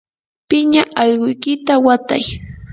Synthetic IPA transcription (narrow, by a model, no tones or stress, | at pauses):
pɪɲaʔɑʎɢʊjkɪt̪awat̪a̰j